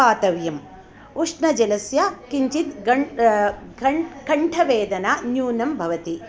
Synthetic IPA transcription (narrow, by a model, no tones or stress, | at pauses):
aːt̪ɐʋjɐm | uʂɳɐd͡ʒɐlɐsjɐkiɲt͡ʃit̪ɡɐ | ɐkɐɳʈʰɐʋeːd̪ɐnaːnjuːnɐmbʱɐʋɐt̪i